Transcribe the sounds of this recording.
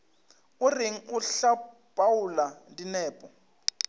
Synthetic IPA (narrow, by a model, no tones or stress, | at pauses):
uriŋ̩uɬa | b̥ʱawulandinɛːpʼɔ